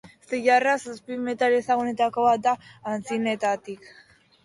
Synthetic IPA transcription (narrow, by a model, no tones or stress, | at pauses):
st̪eʝarasaspimet̪aɾesaɣune̞t̪ako̞βat̪̚d̪aːnt͡sinet̪at̪ik